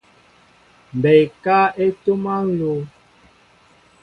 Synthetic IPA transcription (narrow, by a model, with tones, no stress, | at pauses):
m˨bɛ˨jka˦e˦to˦ma˦n̩˦lo˨˦